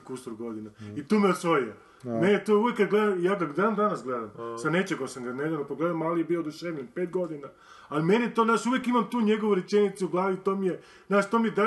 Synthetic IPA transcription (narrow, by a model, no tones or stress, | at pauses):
kust̪ɾuɡod̪inait̪uːmeosʋojo | net̪uujekːad̪ɡled̪amijaːkad̪ad̪and̪anasɡled̪amsanet͡ʃeɡomsamɡaned̪anopoɡled̪amalijebiod̪uʃeːʋʎʲenpeːt̪̚ɡo̞d̪ina | alimenit̪onaːʃuʋjekimamt̪uːɲeɡoʋuɾet͡ʃenit̪suuɡlˠaːʋit̪oːmije | naːʃt̪o̞ːmijed̪a